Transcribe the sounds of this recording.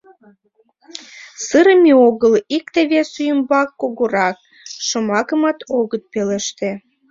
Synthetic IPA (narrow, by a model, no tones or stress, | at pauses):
səɾəmeoɣəlik̚t̪eβesyjəmbɑkːoɣoɾɑk̚ | ʃomɑkəmɑt̪oɣət̪̚peleʃt̪ĕ